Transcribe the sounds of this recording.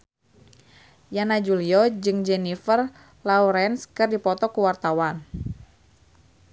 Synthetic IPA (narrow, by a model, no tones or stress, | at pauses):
janad͡ʒuliɔd͡ʒɨŋd͡ʒɛnifər | lauɾɛnskɨrdipɔt̪ɔkuwart̪awan